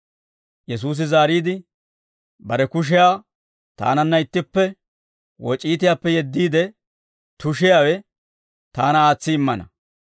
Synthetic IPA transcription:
jɛs̬uːs̬ɪzaːɾiːd̪ɪ | bɐɾɛkʊʃ̬ɪjaː | t̪a̰ːnɐnːɐɪt̪ːɪpːɛ | wɔt͡ʃʼiːt̪̬ɪjaːpːɛjɛd̪ːiːd̪ɛ | t̪ʊʃɪjaːwɛ | t̪aːnɐaːt͡sːɪɪmːɐnɐ̰

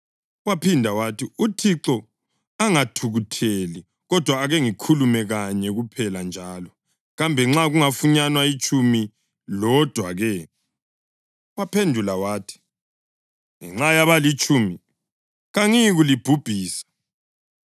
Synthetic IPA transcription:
wapʰindʱawatʰiutʰiǀɔ | aŋatʰuɣutʰeli | ɣɔd̥ʱwaːɣɛŋikʰulumɛɣaɲɛɣupʰɛland͡ʒʱaːlɔ | ɣambʱɛŋ͡ǁaɣuŋafuɲanwait͡ʃʼumi | lɔd̥ʱwaɣɛ | wapʰendʱulawaːtʰi̥ | ŋɛ̰ŋ͡ǁajaβalit͡ʃʼumi | ɣaŋiɣulib̥ʱub̥ʱiːsḁ

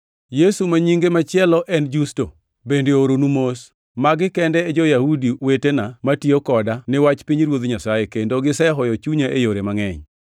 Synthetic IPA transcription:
jesumaɲiŋɡemat͡ʃɪɛlɔʔɛnd͡ʒusto | bendeoɾonumos | maɡɪkɛndɛːd͡ʒɔjahudiwetenamatiokɔdanɪwat͡ʃpiɲɾwod̪ɲasajekendoɡɪsɛɦɔjɔt͡ʃuɲaʔejoɾemaŋɛɲ

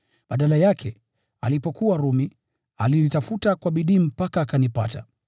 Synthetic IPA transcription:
ɓaɗalajakʰɛ | alipɔkuwaɾumi | a̰linitafutakwaɓiɗiːm̩pakaːkanipata̰

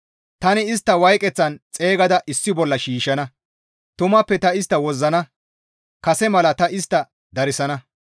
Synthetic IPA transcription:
t̪ɐnɪɪs̬t̪ːɐwɐjkʼɛt͡sːɐnt͡sʼe̞ːɡɐd̪ɐʔɪsːɪbɔlːɐʃiːʃɐnɐ | t̪ʊmɐpːɛt̪ɐɪst̪ːɐwɔzːɐnɐ | kɐsɛmɐlɐt̪ɐʔɪst̪ːɐ | d̪ɐɾɪsɐnɐ

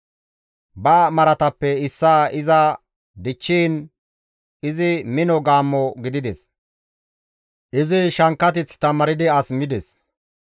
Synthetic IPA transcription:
bɐmɐɾɐt̪ɐpːɛɪsːaːɪzɐ | d̪ɪt͡ʃːiːn | ɪzɪmɪnɔɡaːmːɔɡɪd̪ɪd̪ɛs | ʔɪzɪʃɐŋkːɐt̪̬ɪt͡st̪ɐmɐɾɪd̪ɪɐsmɪd̪ɛs

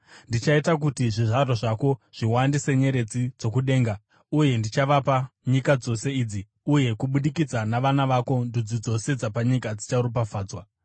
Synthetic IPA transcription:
ndit͡ʃaitak̬utiʐiʐaɾoʐako̞ʐ̥iwandise̞ɲe̞ɾe̞d͡zid͡zo̞kuɗe̞ːŋɡa | uje̞ndit͡ʃaʋapaɲikad͡zo̞se̞iːd͡zi | uje̞kuɓuɗikid͡zanaʋanaʋako̞ndud͡zid͡zo̞se̞d͡zapaɲikad͡zit͡ʃaɾup̬afaːd͡zwa

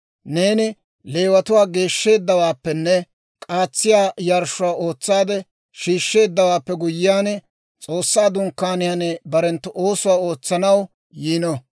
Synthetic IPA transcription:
ne̞ːnɪ | le̞ːwɐt̪ʊwaːɡe̞ːʃːe̞ːd̪ːɐwaːpːɛnːɛ | kʼaːt͡sːɪjaːjaɾʃʊwaːo̞ːt͡sːaːd̪ɛ | ʃiːʃːe̞ːd̪ːɐwaːpːɛɡʊjɪjaːn | t͡sʼo̞ːsːaːd̪ʊŋkːaːnɪjɐnɛbɐɾɛnt̪ːʊʔo̞ːsʊwaːo̞ːt͡sːɐnɐw | jiːnɔ

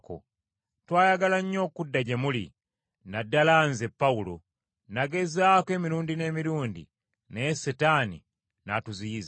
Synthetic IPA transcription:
ko̰ | twaːjaɡalaɲːo̞ːkudːaɟemulḭ | nadːalaːnzepːaulo | naɡe̞zaːkwe̞ːmiɾuːndine̞ːmiɾuːndḭ | nesetani | natuziːz

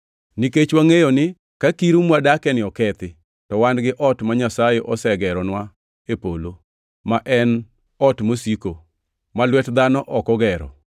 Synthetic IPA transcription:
niket͡ʃwaŋejonɪ | kakiɾumwadakɛnɪɔkɛt̪ɪ | tɔwandɡɪʔɔtmaɲasajɛʔɔsɛɡɛɾɔnwa | epolo | maʔɛn | ɔtmosiko | malwɛtd̪anɔʔɔkɔɡɛɾɔ̰

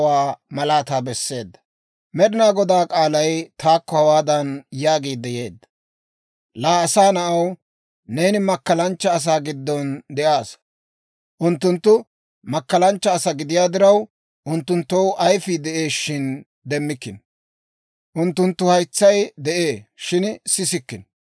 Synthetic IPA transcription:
waːmɐlaːt̪aːbɛsːe̞ːd̪ːɐ̥ | mɛd̪ɪnaːɡɔd̪aːkʼaːlɐjt̪ʰaːkːɔhɐwaːd̪ɐnjaːɡiːd̪ːɛje̞ːd̪ːɐ | laːsaːnɐʔɐw | ne̞ːnɪmɐkːɐlɐnt͡ʃːɐːs̬aːɡɪd̪ːɔnd̪ɛʔaːs | ʔʊnt̪ːʊnt̪ːʊ | mɐkːɐlɐnt͡ʃːɐːsɐɡɪd̪ɪjaːd̪ɪɾɐw | ʔʊnt̪ːʊnt̪ːɔwʔɐjfid̪ɛʔeːʃːɪn | d̪ɛmːɪkːɪn | ʔʊnt̪ːʊnt̪ːʊhɐjt͡sːɐjd̪ɛʔe̞ːʃɪnsɪsɪkːɪn

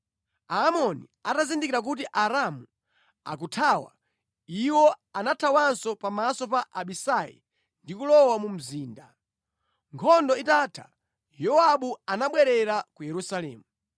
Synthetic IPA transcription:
aːmɔnḭ | atazindikiɾak̬utiʔaɾamu | a̰kutʰawa̰ | iwɔanatʰawansɔpamasɔpaʔaɓisajḭ | ndikulɔwamum̩ziːnda | ŋkʰɔndɔitaːtʰḁ̰ | jɔaɓuanaɓwɛɾɛɾakujɛɾusalɛːmu

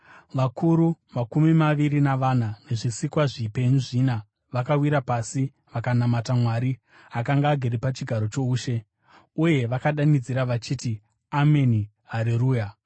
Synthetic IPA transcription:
ʋakʰuɾumakumimaʋirinaʋan̤ane̞ʐisikwaʐipe̞ɲuʐiːna | ʋakawiɾapasi | ʋakanamatamwaːɾi | akaŋɡaːɡʱeɾepat͡ʃiɡʱaɾo̞t͡ʃouːʃe̞ | uje̞ʋakaɗanid͡ziɾaʋat͡ʃiːti | ame̞ni | ɦaɾiruːja

